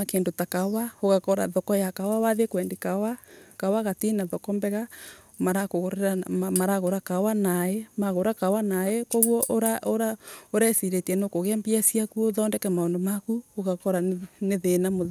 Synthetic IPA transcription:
akeːndotakawaoɣakɔɾa̰ðɔkɔjakawawaðekwɛndekawakawaɣatinaðɔkɔmbɛɣa | maɾakoɣoɾeɾamaɾaɣoɾakawanaemaɣoɾakawanaekɔɣwɔʔoɾaʔoɾaoɾɛsiɾetiɛnokoɣeambiasiakuoðɔːndɛkɛmaondomakuoɣakɔɾaneðenamoð

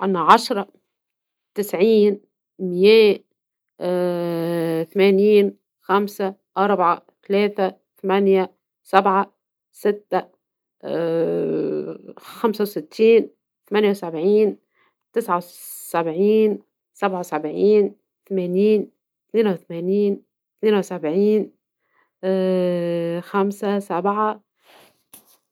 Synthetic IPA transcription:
ʔanːaʕɑʃɾˤɑ | t̪ɪsʕiːn | mɪjæː | θamæːniːn | xamsaʔɑɾˤbʕat̪aleːt̪a | θamanja | sabʕa | sɪt̪ːa | xamsawsɪt̪ʰːiːn | θamanjawsabʕiːn | t̪ɪsʕaw | sabʕiːn | sabʕawsabʕiːn | θamæːniːn | t̪θneːnawθamæːniːn | t̪neːnawsabʕiːn | xamsasabʕa

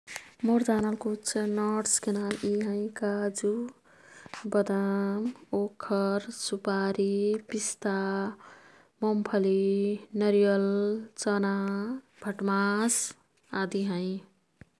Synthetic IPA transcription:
moɾdanəlkut͡ʃʰnɔʈskenaliɦə̃ĩkad͡ʒu | bəd̪amokʰəɾsupaɾipist̪a | mɔmpʰəlinəɾijəlt͡ʃəna | bʱəʈmas | ad̪iɦə̃ɪ̃

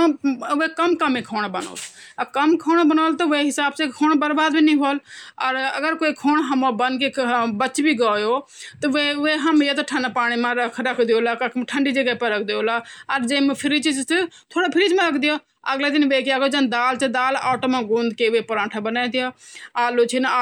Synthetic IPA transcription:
ʋeːkəmkəmẽkʰoːɽ̃bəno̰ːlkəmkʰoːɳbənoːlt̪oʋeːɦɪsaːbsekʰoːɳbəɾbaːd̪biːnĩɦoːləɾə̰ɡəɾkoːikʰoːɳɦəmoːbənkeːbət͡ʃbiːɡaːjoːt̪ɐʋeʋeɦɐmjet̪oʈʰənpaːɽ̃imãɾəkʰɾəkʰd̪ɪjoːlakəʈʰəɳɖid͡ʒəɡaːpəɾɐk̚ʰd̪eoːlaɐɾd͡ʒẽmpʰɪɾt͡ʃid͡ʒt̪ | t̪ʰoːɽopʰɪɾɪd͡ʒmãɾɐkʰd̪ɪjoː | əɡled̪ɪnʋeːkijaːɡod͡ʒɐnd̪aːlt͡ʃed̪aːlaːʈomãɡũːnd̪keʋepʊɾãːʈʰabənaːid̪ɪjoːaːlot͡ʃʰinː

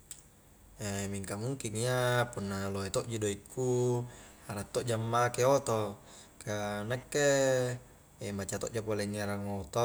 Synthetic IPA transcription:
emiŋkamuŋkiŋiapunːaloet̪oʔd͡ʒudoikːu | aɾat̪ːoʔd͡ʒamːakeot̪o | kanakːe | emat͡ʃat̪oʔd͡ʒopoleŋːeɾaŋot̪o

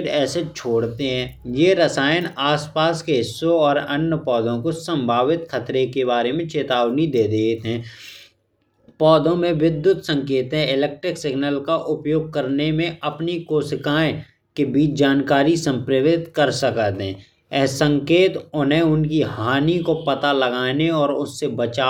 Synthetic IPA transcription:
ɖɛːset͡ʃʰoːɽt̪eɦɛ̃ːjeɾəsaːjənaːspaːskeɦɪsːõɔːɾɐnːəpɔːd̪õkosə̃mbʱaːʋɪt̪xʰɐt̪ɾekeβaːɾemẽt͡ʃeːt̪aːʋnid̪eːd̪eːt̪ɦɛ̃ː | pɔːd̪õmẽʋɪd̪jʊt̪sə̃ŋkeːt̪ɦɛ̃ɪleːk̚ʈɾɪksɪɡnəlkaʔʊpjoːɡ̚kəɾnemẽɐpnikoːsɪkaːẽ | kebiːt͡ʃd͡ʒaːnkaːɾisə̃mpɾəʋɪt̪kəɾsəkət̪ɦɛ̰̃ː | ɛɦsə̃ŋkeːt̪ʊnẽʊnkiɦaːnikopɐt̪aləɡaːneɔːɾʊsːebət͡ʃaː

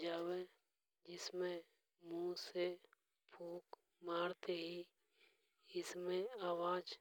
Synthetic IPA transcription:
d͡ʒaːwe | d͡ʒɪsmẽ | mũse | pʰuːk | maːɽt̪eɦi | ɪsmẽaːwaːd͡ʒ

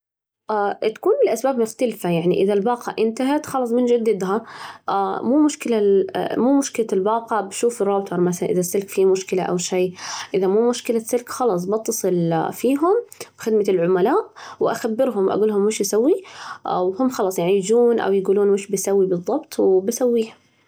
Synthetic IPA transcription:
ʔat̪ḁkuːnbɪlʔasbaːbmʊxt̪alfajaʕniʔɪðalbɑːqɑʔɪnt̪aɦat̪xɑlɑsˤmɪnd͡ʒɪd̪ːɪd̪ɦaʔamuːmʊʃkɪlamuːmʊʃkɪlalbɑːqɑbʃuːfɪrˤːɑːb̚t̪ʰˤɑɾˤmaθalanʔɪðasːɪlkfimʊʃkɪlaʔa̰wʃeːʔɪðamuːmʊʃkɪlasːɪlkxɑlɑs̬ˤbɑt̪ːsˤɨlfiːɦʊmbxɪd̪malʕʊmalaːʔwɪʔa̰xabːɪɾɦʊmʔa̰ɡuːlhʊmːɪʃjsawːiʔwhʊmːxɑlɑːsˤjaʕnijɪd͡ʒuːnʔa̰wjɪɡuːluːnmɪʃbɪsawːibɨðˤːɑbt̪ˤwbɪsawːiːha

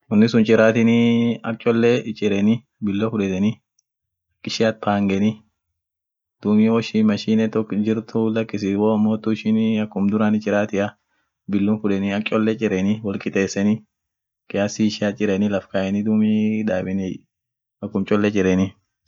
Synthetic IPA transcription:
ʊnːɪsʊnt͡ʃʼɪɾaːt̪ɪnɪɐk̚t͡ʃʼɔlːɛt͡ʃʼɪɾɛnɪ | bɪlːofʊᶑɛt̪ɛnɪ | ɐkːɪʃɪɐt̪̚pʰaːŋɡɛnɪ | d̪̥umɪwɔʃimɐʃiːnɛt̪ɔkd͡ʒɪɾt̪ʊlɐkːɪsɪwoɐmːoːt̪ːʊɪʃɪnɐkːʊmd̪ʊɾaːnɪt͡ʃʼːɪɾaːt̪ɪʔɐ | bɪlːʊnfʊᶑɛnɪɐkʼɔlːɛt͡ʃʼɪɾɛnɪwɔlkʼɪt̪ʼeːsːɛnɪ | kʼɪjaːsiʃɪat͡ʃʼɪɾɛnɪlɐfkɐʔɛnɪd̪uːmiᶑaːbɛnɪ | ɐkːʊmt͡ʃʼɔlːɛt͡ʃʼɪɾɛnɪ

